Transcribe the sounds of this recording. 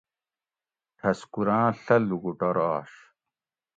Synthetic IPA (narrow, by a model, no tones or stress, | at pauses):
t̪ʰɐskuɾãːɬɐluɡuʈɐɾaːɕ